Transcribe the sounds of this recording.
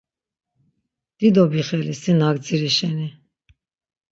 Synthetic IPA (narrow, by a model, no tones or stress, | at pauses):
d̪̥id̪ɔbiχɛlisinaɡd͡ziɾiʃɛni